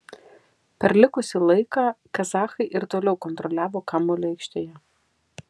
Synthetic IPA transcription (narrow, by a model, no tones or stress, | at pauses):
pʲɛɾlʲɪkʊsʲɪlˠɐɪkɑːkɐzɑːxɐɪʔɪɾt̪oːlʲɛʊkɔnt̪ɾɔlʲæːʋoːkɑmoːlʲɛɪkʃʲt̪ʲeːjɛ